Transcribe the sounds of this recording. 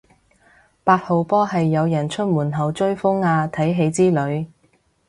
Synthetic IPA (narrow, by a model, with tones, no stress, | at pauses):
paː˧t̚ho˨˧wpɔː˥ɦɐ˨jːɐ˨˧wjɐ˨˩nt͡ʃʰɵ˥t̚muː˨˩nɦɐ˨˩wt͡ʃɵ˥ɥfʊ˥ŋaː˧t̪ʰɐ˨˥jɦe˨˧˥jt͡siː˥lɵ˨˧ɥ